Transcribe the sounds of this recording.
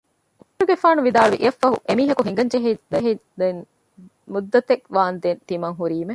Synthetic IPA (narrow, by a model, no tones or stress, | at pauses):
ukuɾuɡefaːnuʋid̪aːluʋiʔiɐfːɐɦṵʔemiːɦɐkuɦiŋɡɐɲd͡ʒeɦid̪ɐɦid̪en | mud̪ːɐt̪ekʋaːnd̪ent̪imɐŋɦuɾiːme